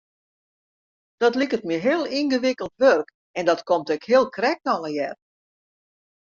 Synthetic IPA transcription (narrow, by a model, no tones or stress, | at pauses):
d̥ɔtlikətmiɦɪəlˠinɡəʋɪkəlˠtʋørk | ɛndɔtkomtɛkhɪəlˠkrɛk̚tɔləjɛr